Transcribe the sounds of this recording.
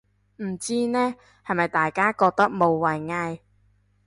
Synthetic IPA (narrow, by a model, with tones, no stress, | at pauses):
m̩˨˩t͡siː˥nɛː˥ | hɐ˨jmɐ˨jt̪aː˨jkaː˥kɔː˧k̚t̪ɐ˥k̚mo˨˧wwɐ˨jŋaː˧j